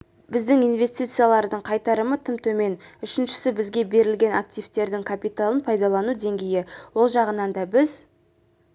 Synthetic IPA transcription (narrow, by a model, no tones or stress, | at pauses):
bɪzd̪ɪŋijnve̞st̪ijt̪sɨjalˠɑɾd̪əɴqʰɑjt̪ɑɾəmət̪ʰɪmt̪ʰɵme̞nʏʃɪnʃɪ̥sɪbɪzɡʲe̞be̞ɾɪlɡʲe̞na̰k̚t̪ijvt̪e̞ɾd̪ɪŋkʰapijt̪alˠənpʰɑjd̪ɑlˠɑnud̪e̞ŋɡʲe̞jɪwo̞lˠʒɑʁənɑnd̪ɑbɪz